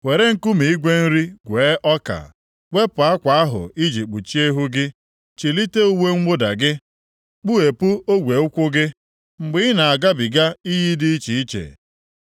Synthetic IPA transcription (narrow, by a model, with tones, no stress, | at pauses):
we˨ɾe˦ŋ̩˦ku˦mi˨i˦ɡʷe˦n̩˦ɾi˦ɡʷeː˨˦ʔɔ˦ka̰˨ | ɡʷe˦pʊ˨a˦kʷa˨a˦ɦʊ̰˨i˦d͡ʒi˨k͡pu˨t͡ʃi˦e˦ɦu˦ɡɪ˦ | t͡ʃi˨li˦te˦u˦we˦ŋ̩˦ɡ͡bo˦da̰˨ɡɪ˦ | k͡pu˦e˨pu˦o˦ɡʷe˨ʊ˦kʷʊ˦ɡɪ˦ | ŋ͡m̩˨ɡ͡bɪ˦ɪ˦na˨a˨ɡa˦bi˨ɡa˦i˦ji˦dɪ˦i˦t͡ʃi˨i˦t͡ʃḛ˨